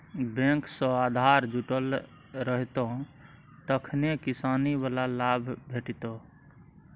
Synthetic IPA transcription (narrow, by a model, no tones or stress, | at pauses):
bẽksə̃ad̪ʱaɾd͡ʒuʈəl | ɾəɦt̪õ | t̪əkʰnekisaniβalalabʱbʱeʈit̪o